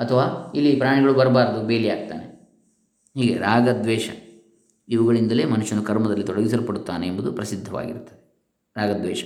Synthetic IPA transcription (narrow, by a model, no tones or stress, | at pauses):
ɐt̪ʰɐʋaːilːipɾaːɳiɡɐɭubɐɾɐbaːɾɐd̪ubeːliaːɡ̚t̪a̰ːnḛ | ɦiːɡe̞ɾaːɡɐd̪ʋɛːʃɐ̰ | iʋɐɡɐɭind̪ɐleːmɐnuʃːɐnːukɐɾmɐd̪ɐlːit̪ɔɽɐɡis̬ɐlupɐɽut̪ːaːneːmbɐd̪upɾɐsid̪ʱːɐʋa̰ːɡḭɾt̪ːɐd̪e | ɾaːɡɐd̪ʋɛ̰ːʃɐ̥